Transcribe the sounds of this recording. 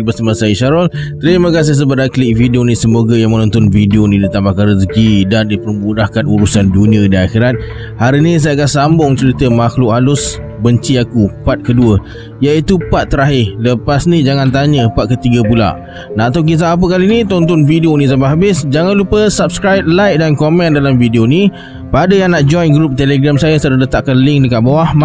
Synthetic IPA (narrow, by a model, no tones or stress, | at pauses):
bəsamasajəʃaɾɔlt̪əɾiməkas̬is̬əbat̪akliʔ̚fidionisəmoɡajaŋmənɔ̃nt̪ɔnfidionĩdit̪ambahkanɾəs̬kidandipəɾmbudahkanuɾusandunĩədiaxiɾat̪̚ | haɾinĩs̬ajakasambʊŋt͡ʃəɾit̪əmaxlʊʔɦalʊs | bəɲt͡ʃiakupat̪̚kəduə | jait̪upat̪ːəɾaɦɪləpasnid͡ʒaŋãnt̪̬aɲə̃pat̪̚kət̪iɡəpula̰ʔ | naat̪awk̬it̪̬aap̬əkalinit̪ɔnt̪ɔnfidionĩsambaʔɦabɪsd͡ʒaŋanlupəsap̚skɾajp̚lajk̚dankomɛ̃ndalamfidioni | padəjaŋnaʔd͡ʒɔjnɡɾup̚t̪eleɡɾamsajasəɾələt̪aʔkanlɪŋdəkaʔbawahma